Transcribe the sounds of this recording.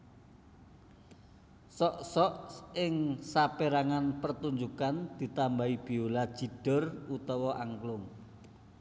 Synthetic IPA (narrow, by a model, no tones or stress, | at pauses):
sɔʔsɔʔɪŋsapeɾaŋanpərt̪uɲd͡ʒukand̪̥i̤t̪ambaib̥i̤ulad̥ʒ̥i̤d̥ə̤rut̪ɔwɔʔaŋklʊŋ